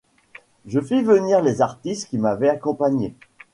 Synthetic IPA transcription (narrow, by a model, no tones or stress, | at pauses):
ʒəfivəniʁlezaʁt̪ist̪kʲimavɛakɔ̃paɲe